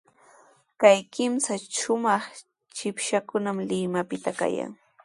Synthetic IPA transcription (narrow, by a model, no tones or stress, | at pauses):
kajkɪmsaʃʊmɑχ | t͡ʃɪpʃakʊnamlɪmapɪt̪aka̰ja̰ŋ